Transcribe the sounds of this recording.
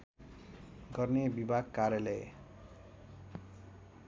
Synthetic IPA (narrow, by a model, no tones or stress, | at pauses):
ɡʌrnebibʱaɡkarjalʌj